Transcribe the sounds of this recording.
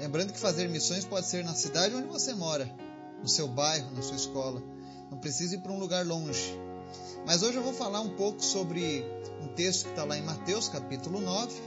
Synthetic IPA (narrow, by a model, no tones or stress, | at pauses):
lẽmbɐ̃nd̪ʊkɪ̥fazeɾmisõj̃spɔd͡ʒɪseɾnɐsid̪ad͡ʒɪõd͡ʒɪvosemɔɾɐ | nʊsewbajɦʊnɐsuɐiskɔlɐ̃ | t̪ɐ̃w̃pɾesizʊiɾpɾɐũluɡaɾlõʒɪ | mɐzoʒɪewvowfalaɾũpowkʊ̥sobɾɪ | ũt̪est̪ʊ̥kɪ̥t̪alaẽj̃mat̪ewskapit̪ʊlʊnɔvɪ